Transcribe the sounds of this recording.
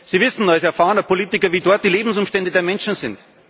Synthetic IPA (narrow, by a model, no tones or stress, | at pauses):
siːvɪsn̩alsɛɐfaːənəpʰoliːtɪkɐviːdɔɐt̚d̥iːleːbm̩s̬ʊmʃtɛndədeːɐmɛnʃn̩zɪnt